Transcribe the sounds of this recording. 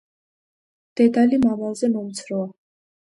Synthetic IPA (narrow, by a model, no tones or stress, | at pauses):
d̪̥ɛd̪alimamavzɛmɔmt̪sʰɾɔa